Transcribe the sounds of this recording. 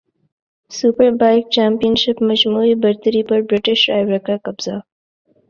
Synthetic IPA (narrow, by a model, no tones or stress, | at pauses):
supəɾbajk̚t͡ʃaːmpijənʃɪpmad͡ʒmuibɐɾt̪əɾipəɾbɾɪʈɪʃɾa̰jbɾakakabz̥a